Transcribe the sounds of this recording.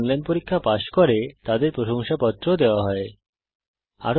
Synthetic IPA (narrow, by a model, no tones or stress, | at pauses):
ŋlɛnpoɾikʰːapaʃkoɾet̪ad̪eɾpɾoʃoŋʃapɔt̪ːɾod̪eoaɦɔe | a̰ɾ